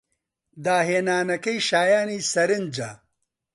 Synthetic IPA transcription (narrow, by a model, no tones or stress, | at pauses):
d̪aːɦeːnaːnɐkɐjʃaːjaːniːsɐɾɨnd͡ʒa̰